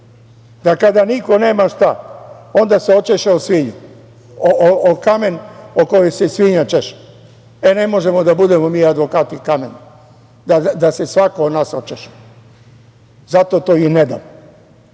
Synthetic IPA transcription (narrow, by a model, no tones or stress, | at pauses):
d̪akad̪aniko̞neːmaʃt̪aond̪aseo̞t͡ʃeʃeosʋiɲu | ookamenokojojsesʋiɲat͡ʃeʃe̥ | ene̞mo̞ʒemod̪abud̪e̞momiːad̪ʋo̞kaːt̪ikamen | d̪ad̪asesʋakood̪naːsot͡ʃeʃe̥ | zat̪ot̪oːined̪amo